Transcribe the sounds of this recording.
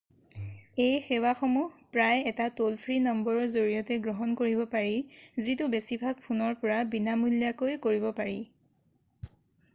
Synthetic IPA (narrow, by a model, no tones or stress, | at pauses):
ejxɛwaxɔmuɦpɹajɛtatolpʰɹinɔmbɔɹɔɹzoɹijɔtɛɡɹɔɦɔnkoɹibɔpaɹizitʊbesibʱaɡ̚pʰunɔɹpɔɹabinamuljakojkoɹibɔpaɹi